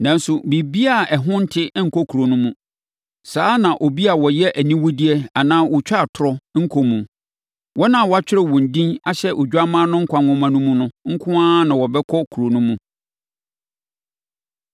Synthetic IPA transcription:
nã˨n˦sʊ˨bi˨bi˦a˨ɛ˨ɦʊ̃˦n̩˦tʰɪ˦ŋ̩˨kʰɔ˦kʰu˨ɾo˨nʊ̃˦mũ˦ | saː˨˦nã˨ʔo˨bi˦a˨wɔ˨jɛ˦ʔæ˨nĩ˦wʊ˦di˦ɛ˦a˨nãː˦wʊ˨t͡ɕᶣa˦˨tʰʊ˨ɾɔ˦ŋ̩˦kʰo˦mũ˨ | wɔ˦nã˨wɔ˦a˦t͡ɕᶣɪ˦ɾɛ˦wɔ̃˨n̩˨dĩ˦na˦˨ɕɛ˦ʔo˨d͡ʑᶣa˦mã˦nʊ̃˦ŋ̩˦kʰʷã˨ŋʊ̃˦mã˦nũ˦mũ˦nʊ̃˦ŋ̩˦kʰʊ̃˦ãː˦nã˨wɔ˨bɛ˦kʰɔ˦kʰu˨ɾo˨nũ˦mũ˦

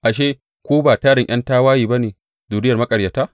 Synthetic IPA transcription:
ʔa˨ʃ̬eː˦ | kʷoː˦baː˨taː˦ɽɪ˨ʔɐ˦ntaː˦waː˦jiː˨ba˦neː˨ | zuː˨dɪ˦jɐ˨rmɐ˦kʼɐ˨rja˨taː˦

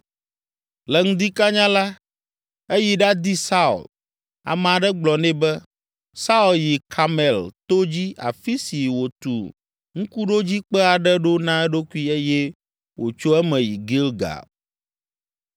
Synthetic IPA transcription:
lɛ˨ŋũ˦d̪i˦ka˦ɲã˦la˦ | e˦ji˨ɖa˦d̪i˦sa˦ṵ˨l | a̰˨mɛ̃˨a˨ɖɛ˦ɡ͡blɔ˨nɛ̃˦bɛ˦ | sa˦u˨lji˨kʰa˨mɛ˨lt̪o˦d͡ʑi˦a̰˨fi˦si˨wo˨t̪ṵ˨ | ŋ̩̃˦ku˦ɖo˦d͡ʑi˦k͡pɛ˦a˨ɖɛ˦ɖo˦nã˦ɛ˦ɖo˦ku˦i˦e˦jɛ˦ | wʔo̰˨t͡ʃo˦ɛ˦mɛ̃˨ji˨ɡi˦lɡa̰˨

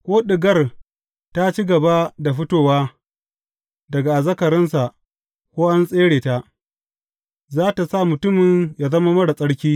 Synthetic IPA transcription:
kʷoː˦ɗɪ˨ɡɐ˦r | ta˦t͡ʃi˦ɡɐ˨ba˦da˨ɸʊ˦toː˦˨waː˦ | dɐ˨ɡa˨ʔa˨zɐ˦kɐ˨ɾɪ˦nsa˨ʔ | kʷoː˦ʔa˦nsʼeː˦ɽeː˨ta˦ʔ | zaː˦ta˨sa˦˨mʊ˨tʊ˦mɪ˨ɲjaː˦zɐ˦ma˦mɐ˦ɽa˨sʼɐ˦ɽkʲiː˦

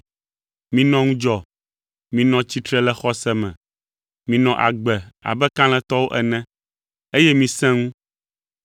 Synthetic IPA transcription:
mĩ˨nɔ̃˦ŋũ˦d͡ʒɔ˨ | mĩ˨nɔ̃˨t͡ɕi˦t̪ɾɛ˦lɛ˦xɔ˦sɛ˦mɛ̰̃˨ | mĩ˨nɔ̃˨ʔa̰˨ɡ͡bɛ˨a̰˨bɛ˦kã˦l̃ɛ̃˦t̪ɔ˦wo˦ʔɛ˨nɛ̃˦ | e˦jɛ˦mĩ˨sɛ̃˦ŋũ˦

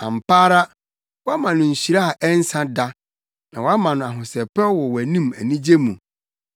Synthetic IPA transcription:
ã˨m̩˨paː˦ɾa˦ | wɔ˦a˦mã˨nʊ̃˨ɲ̩˨ɕi˨ɾa˦a˨ʔɛ˦n˦sã˦da˦ | nã˨wa˦mã˨nʊ̃˨a˨ɦʊ̃˨sɛ˨pɛ˦wɔ˨wæ˨nĩ˦mæ̰˨nĩ˦d͡ʑe˦mũ˨

